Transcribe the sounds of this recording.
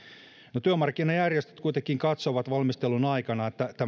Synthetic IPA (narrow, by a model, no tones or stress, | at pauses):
not̪yømɑrkːinɑjærjest̪y̥t̪kuit̪ekːˑiŋkɑt̪soʋɑt̪ʋɑlmist̪elunɑikɑnɑet̪ːæt̪ːæ